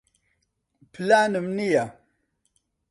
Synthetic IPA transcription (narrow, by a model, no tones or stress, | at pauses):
planɨmnija